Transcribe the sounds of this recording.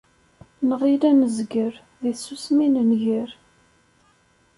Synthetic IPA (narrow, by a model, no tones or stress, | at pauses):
nəʁilænəzɡəɾ | ðisusminənʝəɾ